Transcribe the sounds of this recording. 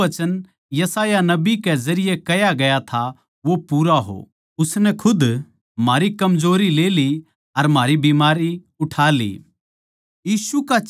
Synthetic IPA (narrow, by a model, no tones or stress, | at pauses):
ɐt͡ʃən | jɐsaːjanɐbikɛzɐɾɪjekɐjaɡɐjat̪ʰa | ʋopuːɾaɦo̰ | ʊsnɛkʰʊd̪ | maːɾikɐmzoːɾileːli | ɐɾm̤aːɾibiːmaːɾi | ʊʈʰaːlḭː | jiːsuka